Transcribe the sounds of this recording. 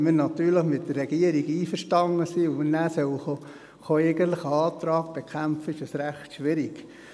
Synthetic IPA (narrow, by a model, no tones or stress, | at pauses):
mənɑt̪yːɾləχmɪt̚dərɛɡ̥iəɾiɡiːfəɾʃtɑŋːəsiʊmnæːsœwxo | χoeɡənt̪lɪχəɑːt̪ɾɑːɡb̥ekʰχæmfəɪʃɑsɾæχtʃʋɪɾik